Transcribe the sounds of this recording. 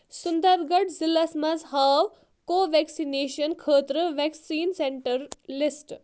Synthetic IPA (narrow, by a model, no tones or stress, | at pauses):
sund̪əɾɡɐʈzilːasmɐzɦaːʋ | koːʋeksineːʃɐnkʰəːt̪ɾəʋeksiːnseɳʈəɾlisʈ